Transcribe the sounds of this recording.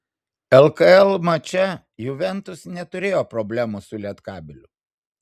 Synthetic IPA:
ɛlˠkɐɛlˠmɐt͡ʃʲɛ | jʊʋʲɛnt̪ʊsnʲɛt̪ʊɾʲeːjoːpɾɔbʲlʲæmusʊlʲiɛt̪kɑːbʲɪlʲʊ

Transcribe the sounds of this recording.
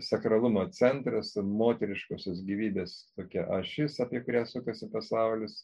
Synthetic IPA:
sʲɐkɾɐlˠʊmoːt͡sʲɛnt̪ɾɐsmoːt̪ʲɛɾʲɪʃkoːsʲoːs̬ɡʲiːʋʲiːbʲeːst̪oːkʲɛʔɐʃʲɪsɐpʲiɛkʊɾʲæːsʊkɐsʲɪpɐsɐʊlʲɪs

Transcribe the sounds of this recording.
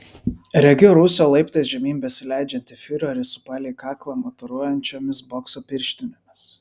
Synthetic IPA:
ɾʲɛɡʲɪɾʊsʲoːlˠɐɪpt̪ɐɪs̬ʒʲɛmʲiːmʲbʲɛsʲɪlʲæˑɪd͡ʒʲɛnʲt̪ʲɪfʲɪɾʲoːɾʲɪsʊ̥pɑːlʲekɑːklˠɑːmɔt̪ɔɾuɔjɛnʲt͡ʃʲoːmʲɪsbɔksoːpʲɪɾʲʃʲt̪ʲɪnʲomʲɪs

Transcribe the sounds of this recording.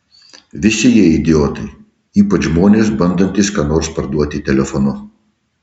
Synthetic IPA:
ʋʲɪsʲɪjiɛɪd̪ʲɪoːt̪ɐɪ | iːpɐt͡ʃʒmoːnʲeːsbɐnd̪ɐnʲt̪ʲɪskɑnoːɾspɐɾd̪uɔt̪ʲɪt̪ʲɛlʲɛfɔnʊ

